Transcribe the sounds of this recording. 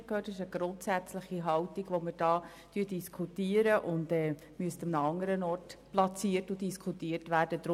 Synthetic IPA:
khøːtɪʃəɡ̥ɾʊntsæt͡sləχiɦɑwtiɡʋoməɾd̥ɑː | tyːd̥iskʰutiːəɾəʔʊndɛː | myəstəmnɑŋəɾənɔːrtplɑt͡siːərtʊdiskʰutiːəɾtʋæːrd̥əd̥̪ɾʊ

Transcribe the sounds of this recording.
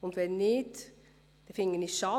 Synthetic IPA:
ʊnt̪ʋɛnɪt | d̪̥ɛfɪŋənɪʃɑ

